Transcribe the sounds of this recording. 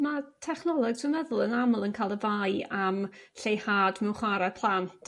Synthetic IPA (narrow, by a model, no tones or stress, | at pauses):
matʰɛχnɔlˠɔɡ̥sʰɪmɛðʊlˠənamʊlˠənkʰajlˠəvajamɬejhaːdmɛwχwaɾɛpʰlˠantʰ